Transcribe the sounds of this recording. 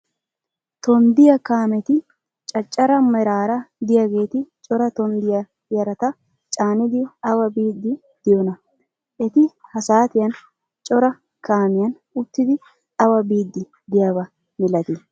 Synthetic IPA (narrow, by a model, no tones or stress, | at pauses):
t̪ɔnd̪ɪjɐkaːmɛt̪ɪ | t͡ʃʼɐt͡ʃʼːɐɾɐmɐɾaːɾɐd̪ɪjɐɡe̞ːt̪ɪt͡ʃʼɔɾɐt̪ɔnd̪ɪjɐ | jɐɾɐt̪ɐ | t͡ʃʼaːnɪd̪ɪɐwɐbiːd̪ːɪ | d̪̥ɪjɔnɐ | ʔɛt̪ɪhɐsaːt̪ɪjɐn | t͡ʃʼɔɾɐ | kaːmɪjɐn | ʊt̪ːɪd̪ɪ | ɐwɐbiːd̪ːɪ | d̪ɪjaβɐ | mɪlɐt̪ɪ